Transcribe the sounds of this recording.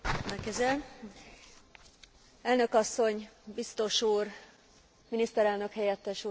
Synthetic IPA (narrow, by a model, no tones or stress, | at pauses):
lɛkɛzɛl | ɛlnø̞kɒsːo̞ɲbist̪o̞ʃuːr | minist̪ɛɾɛlnø̞khɛjɛt̪ːɛʃu